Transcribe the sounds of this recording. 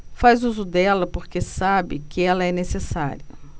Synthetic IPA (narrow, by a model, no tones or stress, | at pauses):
fazuzʊd̪ɛlɐpoɾkesabɪkɪɛlɐɛnesesa̰ɾiɐ